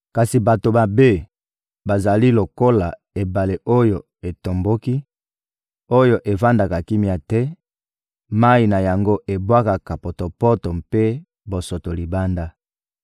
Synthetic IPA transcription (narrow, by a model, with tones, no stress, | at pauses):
ka˨si˨ba˨to˨ba˨be˦ | ba˨za˨li˦lo˨ko˦la˨ | e˨ba˨le˨ʔo˦jo˨ | e˨to˨mbo˦ki˦ | o˦jo˨ʔe˨va˦nda˨ka˨ki˦mi˨a˨tɛ˦ | ma˦i˨na˨ja˨ŋɡo˦ʔe˨bwa˦ka˨ka˨po˨to˨pɔ˦to˨mpe˦ | bo˨so˨to˨li˨ba˦nda˦